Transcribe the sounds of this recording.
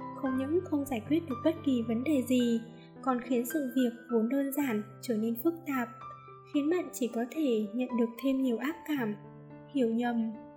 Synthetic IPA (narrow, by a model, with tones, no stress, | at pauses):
xə˧wŋ͡mɲɨ̰˧˥ŋxə˧wŋ͡mzaː˧˩jkwi˦˥ət̚ɗɨ˨˩ək̚ɓə˦˥t̚ki˨˩və˨˦nɗe˨˩zi˨˩ | kɔ˨˩nxi˨˦ənsɨ̰˧˨vi˨˩ək̚vo˨˦nɗəː˧nzaː˧˩nt͡ɕəː˧˩ne˧nfɨ˦˥k̚t̪aː˨˩p̚ | xi˨˦ənɓə̰˧˨nt͡ɕi˧˩kɔ˨˦t̪ʰe˧˩ɲə̰˧˨nɗɨ˨˩ək̚t̪ʰe˧mɲi˨˩əwʔaː˦˥p̚kaː˧˩m | hi˧˩əwɲə˨˩m